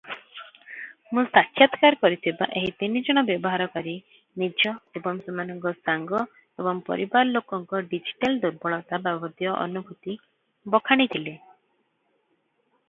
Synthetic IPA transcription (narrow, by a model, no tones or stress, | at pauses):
mũsakʰjat̪kaɾkɔɾit̪ʰiba̰ʔeɦit̪inid͡ʒɔɽ̃ɔbjɔbɔɦaɾɔkaɾi | nid͡ʒɔebɔŋsemanɔŋkɔsaŋɡɔ | ebɔŋpɔ̰ɾibaɾɔlokɔŋkɔɖid͡ʒi̥ʈald̪uɾbɔɭɔt̪ababʱɔd̪jɔʔɔ̰nubʱut̪i | bɔkʰaɽ̃it̪ʰile